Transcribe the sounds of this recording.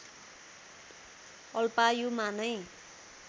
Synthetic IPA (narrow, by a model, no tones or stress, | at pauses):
ʌlpajumanʌj